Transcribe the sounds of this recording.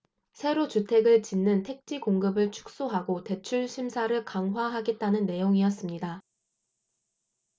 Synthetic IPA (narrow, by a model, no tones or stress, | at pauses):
sʰe̞ɾot͡ɕutʰe̞ɡɯɭt͡ɕinːɯntʰe̞k̚t͡ɕ͈ikoŋɡɯbɯɭt͡ɕʰu̥k̚s͈oɦaɡote̞t͡ɕʰuɭɕʰimsʰaɾɯɭkaŋɦwaɦaɡe̞t̚t͈anɯnːe̞joŋijʌs͈ɯmɲida